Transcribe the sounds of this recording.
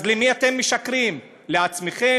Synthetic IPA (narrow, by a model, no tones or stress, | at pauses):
zlemiat̪e̞mːeʃakʁim | le̞at͡smeχe